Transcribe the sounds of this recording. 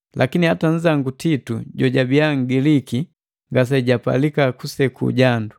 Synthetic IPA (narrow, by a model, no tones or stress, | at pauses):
lʔakinihatan̩d͡ʒaŋɡutitṵɟɔɟabiaŋ̩ɡiliki | ŋɡas̬aɟapa̰likakusɛkṵɟandu